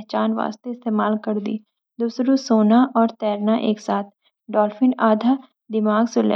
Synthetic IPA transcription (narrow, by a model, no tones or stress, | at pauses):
ɦt͡ʃaːnʋa̰ːst̪eɪst̪eːmaːlkɐɾd̪ḭː | d̪uːsɾusoːnaʔɔːɾt̪ɛːɾnaʔeːksaːt̪ʰ | ɖɔːlfɪnaːd̪ʱa | d̪ɪmaːɡsʊlḛ